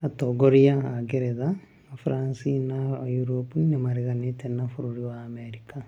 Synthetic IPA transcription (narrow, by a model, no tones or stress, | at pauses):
atoɡoɾiaaɡeɾeðaː | fuɾaːnsinaajuɾopunemaɾeɣanetenafuɾuɾiwaːmeɾika